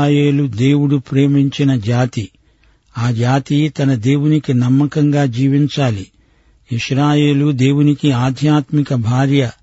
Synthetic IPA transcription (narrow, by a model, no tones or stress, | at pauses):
jeːlud̪eːwuɽupɾe̞ːmiɲt͡ʃinɐd͡ʒaːt̪i | aːd͡ʒaːt̪it̪ɐnɐd̪eːwunikinɐmːɐkɐŋɡaːd͡ʒiːʋiɲt͡ʃaːli | iʃɾaːje̞ːlud̪e̞ːwunikiaːd̪ʱjaːt̪mikɐbʱaːɾjɐ